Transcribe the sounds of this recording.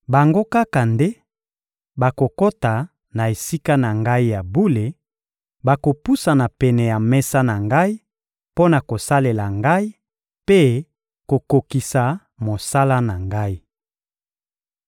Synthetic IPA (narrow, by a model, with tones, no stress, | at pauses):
ba˨ŋɡo˦ka˦ka˨nde˦ | ba˨ko˨ko˦ta˨ | na˨e˨si˦ka˦na˨ŋɡa˦i˦ja˨bu˦le˨ | ba˨ko˨pu˦sa˨na˨pɛ˨nɛ˨ja˨mɛ˦sa˦na˨ŋɡa˦i˦ | po˦na˨ko˨sa˦le˨la˨ŋɡa˦i˦ | pe˦ | ko˨ko˨ki˨sa˨ | mo˨sa˦la˦na˨ŋɡa˦i˦